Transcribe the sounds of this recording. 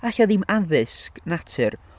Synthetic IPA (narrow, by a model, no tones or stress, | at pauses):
aɬaðimaðɪsknatʰɨr